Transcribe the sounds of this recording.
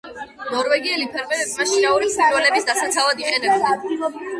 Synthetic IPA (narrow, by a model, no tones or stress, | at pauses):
nɔɾvɛɡiɛlipʰɛɾmɛɾɛbmaʃinauɾisiɾvɛlɛbisd̪asat̪sʰavad̪iqʼɛnɛbna